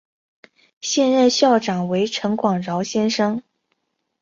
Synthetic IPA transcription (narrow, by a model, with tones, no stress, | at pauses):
ɕjɛ˥˧nɻə˥˧nɕjɑ˥˩ʊʈ͡ʂɑ˨˩ŋwe˧˥ɪʈ͡ʂʰɤ˧˥ŋkwɑ˨˩ŋɻɑ˧˥ʊɕjɛ˥nʂɤ˥ŋ